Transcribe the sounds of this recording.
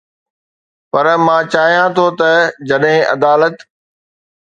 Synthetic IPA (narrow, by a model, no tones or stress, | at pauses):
pɐɾmãːt͡ɕaːɦijãt̪ʰot̪ɐd͡ʑɐɗɦɪ̃ʔɐ̰d̪aːlət̪